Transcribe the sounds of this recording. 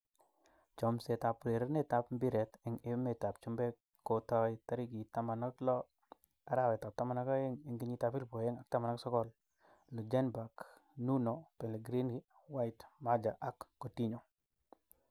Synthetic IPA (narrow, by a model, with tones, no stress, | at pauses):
t͡ʃɔ˨mse˨ta˨pɾe˨ɾe˦ne˦ta˨pmbi˦ɾɛ˨tɪ˨ŋɪ˦me˨ta˨p̚t͡ʃʊ˦mbɛ˦ | kːo˨tɔ˦jta˦ɾi˦ki˨ta˦ma˨na˦klɔ˦ | a˨˦ɾa˦˨wɛ˨ta˨p̚ta˦ma˨na˦ka˦e˦ŋɪ˨ŋɡi˦ɲi˦ta˨pi˦ɾpo˨jɛ˦ŋa˨k̚ta˦ma˨na˦ksɔ˦kɔ˦l | lo˨d͡ʒɛ˦nba˨knu˦no˨pɛ˨le˨ɡɾi˦nɡi˦ | wa˦jtma˦d͡ʒa˨ʔa˦kːo˨ti˦ɲo˨